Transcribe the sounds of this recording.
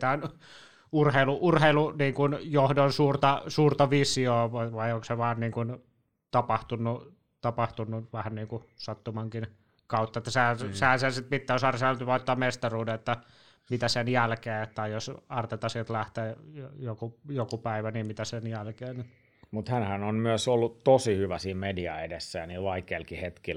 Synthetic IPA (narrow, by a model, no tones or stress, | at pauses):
t̪æon | urheiluʔurheiluniːŋkunjohdonsuːrt̪ɑsuːrt̪ɑʋisioːʋʋɑioŋkseʋɑːnniːŋkun | t̪ɑpɑht̪unːu | t̪ɑpɑht̪unːuʋæhænniːŋkusɑt̪ːumɑŋkin | kɑut̪ːɑet̪ːæsehæsehænseæsit̪̚pit̪ːæːosɑːrseænyt̪ʋoit̪ːɑːmmest̪ɑruːdeet̪ːæ | mit̪æsenjælkeːt̪ːɑijosɑrt̪et̪ɑsit̪læht̪eːjojokujokupæiʋæniːmmit̪æsenjælkeːn | mut̪hænhænonmyøsolːutt̪osihyʋæsiːmmediɑ̰edesːæjɑniːlʋɑikeːlkihet̪kil